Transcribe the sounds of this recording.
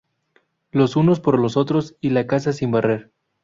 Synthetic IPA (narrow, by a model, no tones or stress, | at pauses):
lo̞suno̞spo̞ɾlo̞so̞t̪ɾo̞silakasasimbareɾ